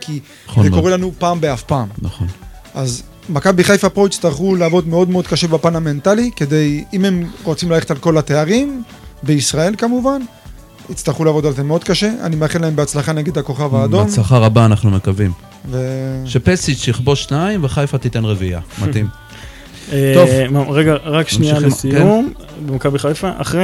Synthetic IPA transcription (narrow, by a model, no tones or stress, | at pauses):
kʰi | zekoelanupaːmbeafpaːmnaχon | ʔaz | makabiχajfapʁoit͡st̪aʁχuleavo̞d̪meo̞d̪meo̞d̪̚kaʃe̞bapaname̞nt̪alike̞d̪e̞jime̞mʁo̞t͡simlaletalko̞lat̪e̞aʁim | be̞isʁae̞lkamuvan | it͡st̪aʁχuleavo̞d̪alzemeo̞d̪̚kaʃe̞a̰nimeaχelaembeat͡slaχane̞ɡe̞d̪hako̞χavaːdo̞msaχaʁabaːnaχnumekavim | veʃepesit͡ʃjiχboʃʃnaimveχajfat̪it̪enʁevia̰mat̪im | et̪ovmaʁeɡaʁakʃniaalesium | bemakabiχajfaʔa̰χe